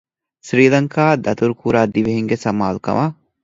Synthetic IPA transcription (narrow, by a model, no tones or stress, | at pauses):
sɾiːlɐŋkaːd̪ɐt̪uɾukuɾaːd̪iʋiɦiŋɡesɐma̰ːlukɐ̰mʔa